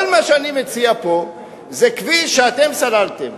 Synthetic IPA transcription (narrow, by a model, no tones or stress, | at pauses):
lmaʃeanimet͡siapo̞ | zekviʃeat̪e̞msalalt̪em